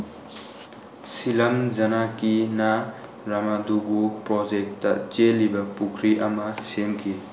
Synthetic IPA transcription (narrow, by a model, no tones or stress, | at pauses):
silamd͡ʒanakina | ɾamaduɡupɾɔd͡ʒek̚tɐ̰t͡ʃelibɐpukʰɾiʔɐmɐsemkʰi